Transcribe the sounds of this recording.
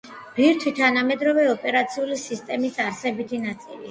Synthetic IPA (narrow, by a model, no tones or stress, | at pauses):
b̥iɾt̪ʰwit̪ʰanamɛd̪ɾɔvɛɔpʼɛɾat̪sʰiulisist̪ʼɛmisaɾsɛbit̪ʰinat̪sʼilia